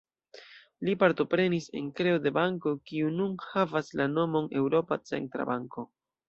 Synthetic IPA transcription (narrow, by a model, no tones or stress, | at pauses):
lipaɾt̪o̞pɾe̞nise̞̰nkɾe̞ode̞baŋko̞kiununhavaslano̞mo̞ne̞wɾo̞pat͡se̞̰ntɾa̰baŋko̞